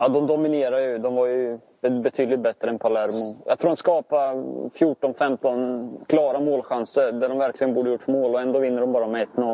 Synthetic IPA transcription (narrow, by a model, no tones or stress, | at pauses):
ɑd̪ɔmd̪ɔmɪneːɾajɵd̪ɔmvaɾjɵ | bɛt̪ʰyːd̪lɪt̪̚bɛt̪ːɾəɛnpʰalæɾmʊjaɡt̪ʰɾuːɾhanskɑːpafjuːʈɔnfɛmt̪ɔnkʰlɑːɾamoːlɧansəɾd̪æɖɔmvæɾklɪɡənbuːɖəjʊʈːmoːlɔɛnd̪oːvɪnːəɖɔmbɑːɾmɛɛt̪ːnɔ